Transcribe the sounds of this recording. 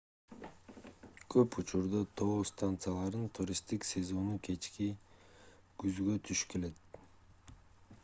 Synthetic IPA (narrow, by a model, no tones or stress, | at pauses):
kʰøput͡ʃuɾd̪ɑt̪ʰo̞ost̪ant̪sɨjalˠɑɾɯnt̪ʰuɾʲist̪iksʲe̞zo̞nukʰe̞t͡ʃki | ɡ̥yzɡøt̪ʰyʃke̞le̞t̪̚